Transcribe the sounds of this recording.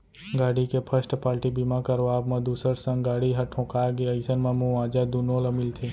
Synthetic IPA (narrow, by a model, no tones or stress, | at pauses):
ɡaːɽikepʰəsʈpaːɾʈibimãkəɾʋaːbmãd̪uːsəɾsə̃ŋɡɡaːɽiɦɐʈʰːõːkaːjaɡeaisənmãmũãːd͡ʒad̪unoːləmɪlt̪ʰeː